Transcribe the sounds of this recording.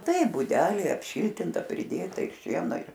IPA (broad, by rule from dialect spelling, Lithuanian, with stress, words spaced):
ˈtɐɪ bʊˈdʲæːlʲeː ˈɑːpʲˈʃʲiːlʲtʲɪntɐ pʲrʲɪˈdʲeːtɐ ɪr ˈʃʲiɛnoː ɪr